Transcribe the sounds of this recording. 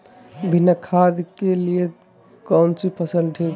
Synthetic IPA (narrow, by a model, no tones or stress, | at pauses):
bʱinəkʰad̪kelije | kɔnt͡ʃipʰəsəlʈʰik